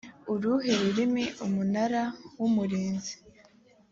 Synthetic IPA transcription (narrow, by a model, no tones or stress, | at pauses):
uɾuɦe̞ɾuɾimiʔumunaɾawumuɾiːnzi̥